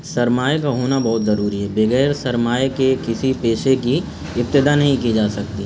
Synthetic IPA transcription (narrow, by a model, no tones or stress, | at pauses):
sɐɾmaːjkaɦoːnabɐɦʊt̪zɐɾuːɾiɦɛbeɣɛːɾsɐɾmaːjkekɪsipeːʃeki | ɪp̚t̪ːɪd̪anɐɦĩkid͡ʒaːsɐkt̪i